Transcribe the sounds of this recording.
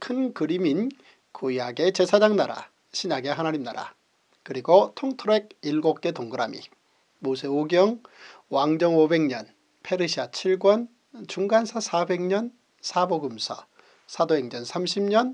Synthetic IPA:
kʰɯnkɯɾimin | kujaɡe̞t͡ɕe̞sʰad͡ʑaŋnaɾa̰ | ɕʰiɲaɡe̞ɦanaɾimnːaɾa̰ | kɯɾiɡotʰoŋtʰɯɾoek̚iɭɡok̚k͈e̞toŋɡɯɾamḭ | mos̬ʰe̞oɡjʌŋ | waŋd͡ʑʌŋobe̞ŋɲʌn | pʰe̞ɾɯɕʰiat͡ɕʰiɭɡwʌn | t͡ɕuŋɡansʰasʰabe̞ŋɲʌn | sʰaboɡɯmsʰʌ | sʰadoeŋɲʌnsʰamɕʰimɲʌn

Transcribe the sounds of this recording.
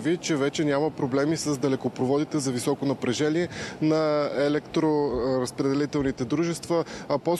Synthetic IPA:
vit͡ʃɛvɛt͡ʃɛnʲaməpɾoblɛmisɐzd̪ɐlɛkopɾovɔd̪it̪ɛzɐvisɔkonɐpɾɛʒɛniɛnɐɛlɛkt̪ɾoɾəspɾɛd̪ɛlit̪ɛlˠnit̪ɛd̪ɾuʒɛst̪vəɐpɔ

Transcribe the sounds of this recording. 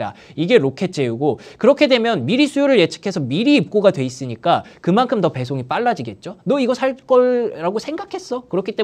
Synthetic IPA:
da̰iɡe̞ɾokʰe̞t͡ɕ͈ʰe̞uɡokɯɾʌkʰe̞dwe̞mjʌnmiɾisʰujoɾɯɭje̞t͡ɕʰɯ̥kʰe̞sʰʌmiɾiːp̚k͈oɡadwe̞is͈ɯɲik͈akɯmankʰɯmtʌpe̞sʰoŋip͈aɭːad͡ʑiɡe̞t̚t͡ɕ͈onʌiɡʌsʰaɭk͈ʌɾaɡosʰe̞ŋɡakʰe̞s͈ʌkɯɾʌkʰit͈e̞

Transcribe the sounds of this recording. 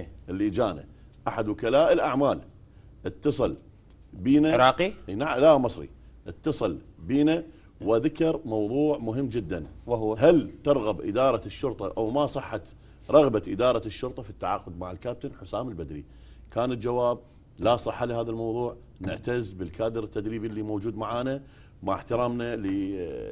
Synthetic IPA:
ʔɪlːiːd͡ʒaːna̰ | ʔaħad̪wʊkalaːʔɪlʔaʕmaːl | ʔɪt̪ːɑsˤɨl | biːnaɾɑːqinalamɑsˤɾḭʔɪt̪ːɑsˤɨl | biːna | waðakɑɾmɑwðˤuːʕmʊɦɪmːd͡ʒɪd̪ːanwɦalt̪ɑɾˤɣabʔɪ̰d̪ɑːɾˤɑʃːʊɾˤt̪ˤɑʔawmasˤɨħːat̪ | ɾˤɑɣbaʔɪd̪ɑːɾˤɑʃːʊɾt̪ˤɑfit̪ːaʕa̰ːqʊd̪maʕɪlkaːp̚t̪ɪnħʊsaːmɪlbad̪ɾḭ | kaːnɪtd͡ʒawaːb̚ | lasˤɨħːalɪhaːðalmɑwðˤuːʕ | nɪ̰ʕt̪azbɪlkaːd̪əɾɪt̪ːad̪ɾiːbilːimoːd͡ʒuːd̪maʕaːna | maʕħt̪ɪɾaːmnalə

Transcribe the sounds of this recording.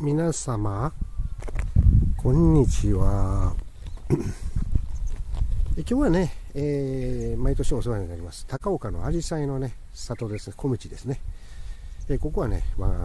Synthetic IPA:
mʲinasama | kʰõ̞ɲ̟ːit͡ɕiβa | ekʲo̞ːβane̞emait̪o̞ɕioseβaɲinaɾʲimasɨ̥t̪akao̞kano̞̰aɾʲisaino̞ne̞ | sat̪o̞d̪e̞sɨ̥kʰo̞mɯ̟t͡ɕid̪e̞sɨne̞ | eko̞ko̞βane̞̰ma̰

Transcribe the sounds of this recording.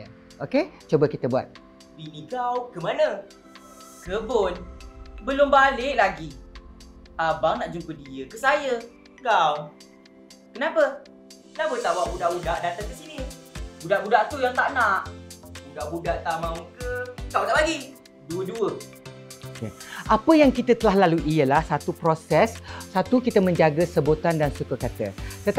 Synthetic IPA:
oket͡ʃobəkit̪əbua̰t̪̚ | binikawkəmanə | kəbʊnbəlʊmbalɪʔlaɡi | abaŋnaʔd͡ʒuŋkədiəkəs̬ajə | kaw | kənapə | kənapət̪aʔwaʔbudaʔbudaʔdat̪aŋkəsinibudaʔbudaʔt̪ujaŋt̪aʔnaʔbudaʔbudaʔt̪amãməkəkawdaʔlaɡi | duəduə | ookḛʔapəjaŋkit̪ət̪əlahlaluʔijəlahsat̪upɾosɛsːat̪ukit̪əmə̃ɲd͡ʒaɡəsəbot̪andansukəkat̪ə̰t̪ət̪

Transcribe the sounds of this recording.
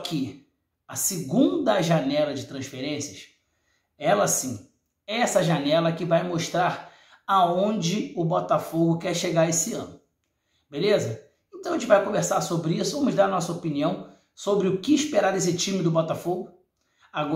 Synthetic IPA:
kʰɪ | ɐsɪɡũnd̪ɐʒanɛlɐd͡ʒɪt̪ɾɐ̃sfeɾẽsiɐs | ɛlɐsĩ | ɛɛsɐʒanɛlɐkɪvajmoʃt̪ɾaɾ | aõd͡ʒɪʊbɔt̪afoɡʊkɛɾʃeɡaɾesɪɐ̃nʊ | belezɐ | ẽt̪ɐ̃w̃ʒẽt͡ʃɪvajkõveɾsaɾsobɾɪisʊvɐ̃mʊʒd̪aɾɐnɔsɐopiniɐ̃w̃ | sobɾɪʊkɪːʃpeɾad̪es̬ɪt͡ʃĩmɪd̪ʊbɔt̪afoɡʊ | aɡɔ

